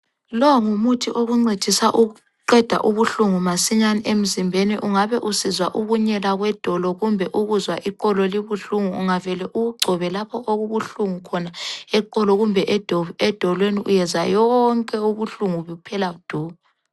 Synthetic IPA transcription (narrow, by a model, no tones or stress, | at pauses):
lɔŋumutʰiʔoɣuŋ͡ǀed̥ʱisaʔuɣu | ǃɛd̥ʱa̰ʔuβuɬuŋumasiɲaniʔem̩zimbʱeniʔuŋaβɛʔusizwaʔuɣuɲɛlaɣwɛd̥ʱɔlɔɣumbʱɛʔuɣuzwaʔiǃɔlɔliβuɬuŋuːŋavɛlɛʔuɣuɡ͡ǀʱɔβɛlapʰɔʔoɣuβuɬuŋukʰɔnaɛǃɔlɔɣumbʱɛʔd̥ɔɛd̥ʱɔlweniʔujɛzajɔŋkʼɛuɣuɬuŋuβɛupʰɛlaud̥ʱuːβɛ